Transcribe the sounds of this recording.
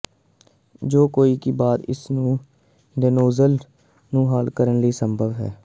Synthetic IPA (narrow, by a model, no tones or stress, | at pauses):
d͡ʒoːkoːiːkiːbaːt̪ɪ̰snũː | ɖənoːzəl | nũːɦaːlkəɾənliːsəmbʱəʋɦɛ̰ː